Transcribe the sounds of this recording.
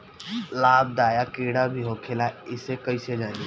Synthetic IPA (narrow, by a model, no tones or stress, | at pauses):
laːb̚d̪aːjakeːɽabʱiɦoːkʰelaɪsekəised͡ʒãːni